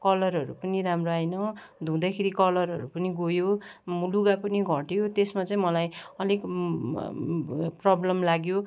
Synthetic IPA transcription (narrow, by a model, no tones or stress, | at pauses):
kʌlʌrɦʌɾupʌniɾamroajnʌ | d̪ʱũd̪akʰeɾikʌlʌrɦʌ̰ɾupʌniɡojomuluɡapʌniɡʱʌʈjot̪esmat͡sʌĩmʌlajʌlek | prʌblʌmlaɡjo